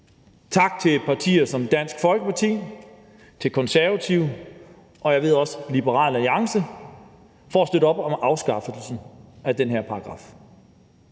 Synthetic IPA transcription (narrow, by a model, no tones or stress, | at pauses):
t͡sʰɑ̈ɡ̥̚t͡sʰe̝pʰɑ̈t͡sʰḭːɐsɒ̽md̥æn̰sɡ̥fɒ̽lɡ̥əpʰɑ̈t͡sʰḭː | t͡sʰe̝lkʰɒ̽nsæɐʋæt͡sʰiʊ | ʔɒ̽jɑ̈ʋe̝ð̞̰ˠɒ̽slib̥əʁɑ̰̈ːlæliɑ̈ŋsə | fɒæsd̥øɾɒ̽b̥ɒ̽mɑ̈ʊsɡ̥ɑ̈fl̩sn̩æd̥enɦæɐ̰pʰɑ̈ɑɡ̥ʁɑ̰̈ːf